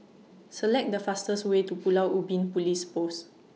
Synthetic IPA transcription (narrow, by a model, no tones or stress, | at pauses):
səlɛk̚dəfastəswetupulawʔubĩnpulispos